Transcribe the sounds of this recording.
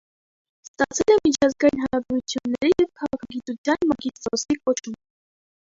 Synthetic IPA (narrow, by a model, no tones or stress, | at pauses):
st̪ɑt͡sʰɛlɛmit͡ʃʰɑzɡɑjinɦɑɾɑbɛɾut͡sʰjunːɛɾijɛvkʰɑʁɑkʰɑɡit̪ut͡sʰjɑnmɑɡist̪ɔsikʼɔt͡ʃʰum